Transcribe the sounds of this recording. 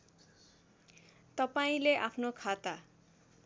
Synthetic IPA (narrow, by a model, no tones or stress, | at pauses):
t̪ʌpaĩleʔapʰnokʰat̪a